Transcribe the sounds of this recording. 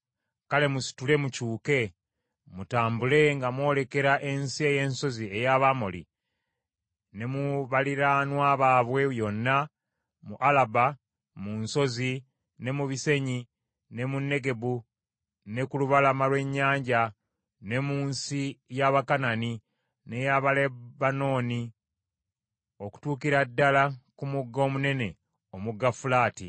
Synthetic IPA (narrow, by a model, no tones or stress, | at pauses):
kale̞musi̥tule̞mucuːke̞ | mutaːmbule̞ŋɡamwo̞ːle̞ke̞ɾaʔe̞nsie̞je̞ːnso̞zie̞jaβamo̰lḭ | ne̞muβaliɾanwaːβaːβwe̞jo̞nːa | muʔalaba | munso̞zi | ne̞muβise̞ɲi | ne̞munːe̞ɡe̞bu | ne̞kuluβalamalwe̞ɲːaːɲɟa | ne̞muːnsijaβakanani | ne̞jaβalebano̞ːni | o̞ku̥tuːkiɾadːalakumuɡːo̞ːmune̞ne̞ | omuɡːafulaːtḭ